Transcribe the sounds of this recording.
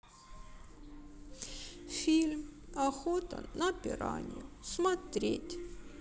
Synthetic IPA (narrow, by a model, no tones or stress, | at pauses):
fʲilʲmɐxot̪ə̰nɐpʲɪɾa̰nʲɪ̰jʊsmɐt̪ɾʲetʲ